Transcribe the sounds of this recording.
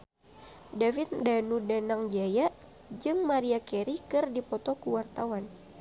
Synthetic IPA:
davɪt̪̚danudanaŋd͡ʒajaʔ | d͡ʒɨŋmaɾiakɛɾikɨrdipɔt̪ɔkuwart̪awan

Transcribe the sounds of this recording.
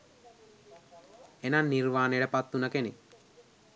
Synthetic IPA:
enanːirʋaːneeʈəpat̪ːunɐkene

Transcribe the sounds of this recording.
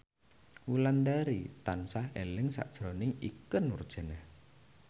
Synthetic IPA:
wuland̪aɾit̪ansahelɪŋsa̰ʔd̥ʒ̥ɾɔnɪŋikənwʊ̰rd̥ʒ̥a̤nah

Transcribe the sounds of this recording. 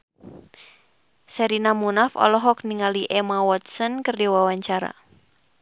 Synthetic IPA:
sɛɾinamunafɔ̰lɔɦɔk̚niŋaliʔɛmawɔt̪̚sɔnkɨrdiwawaɲt͡ʃaɾa̰

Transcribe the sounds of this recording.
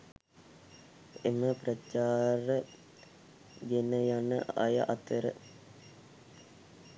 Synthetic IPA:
eməprɐt͡ʃaːrə | ɡenəjanəa̰jə̰ʔɐt̪əɾə̰

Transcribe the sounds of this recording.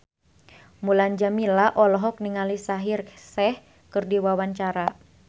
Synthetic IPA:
muland͡ʒamilaʔɔlɔɦɔk̚niŋalisaɦirsɛh | kɨrdiwawaɲt͡ʃaɾa

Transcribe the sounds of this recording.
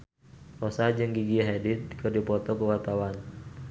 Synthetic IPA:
rɔsad͡ʒɨŋɡiɡiɦɛdit̪̚kɨrdipɔt̪ɔkəwart̪awan

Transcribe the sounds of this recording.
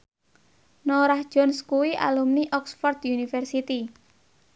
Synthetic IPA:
noɾahd̥ʒ̥ɔnskuwiʔa̰lumniʔɔksfɔrd̪junifɛrsit̪i

